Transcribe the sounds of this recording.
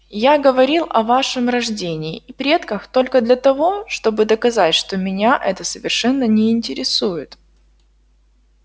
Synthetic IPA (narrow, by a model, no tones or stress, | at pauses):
jaɡəvɐɾʲilˠʔɐvaʂɨmrɐʐdʲenʲɪːipɾʲe̞t̪kəxt̪o̞lʲkəd̪lʲɐt̪ɐvo̞ʂt̪o̞bɨd̪əkɐzatʲʂt̪o̞mʲɪnʲaʔɛt̪əsəvʲɪrʂɛnːənʲɪɪnʲtʲɪɾʲɪsujɪt̪